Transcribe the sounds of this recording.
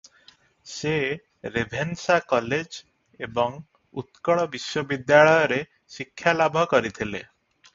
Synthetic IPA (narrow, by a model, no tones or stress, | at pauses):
se | ɾebʱensakɔled͡ʒ | ebɔŋ | ṵt̪kɔɭɔbiswɔbid̪jaɭɔjɔɾe | sikʰːjalabʱɔkɔɾit̪ʰile